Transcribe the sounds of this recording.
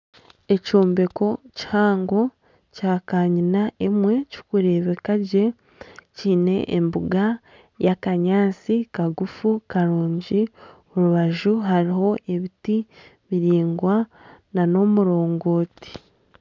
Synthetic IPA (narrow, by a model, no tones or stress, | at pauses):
e̞coːmbe̞ko̞ci̥haːŋɡo̞ | caːkaːɲinaʔemwe̞co̥kuɾe̞ːβekaɟe̞ | ciːne̞̰ʔembuɡa | jakaɲaːt͡sikaɡufukaɾuːɲɟi | oɾuβaʒuɦaɾiɦo̞ʔe̞βiti | βiɾiːŋɡwanano̞muɾo̞ːŋɡo̞ːti̥